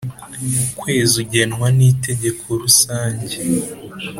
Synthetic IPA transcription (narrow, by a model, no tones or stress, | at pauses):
kwe̞ːzuɟe̞nwanite̞ɟe̞kʰo̞ɾusaːɲɟe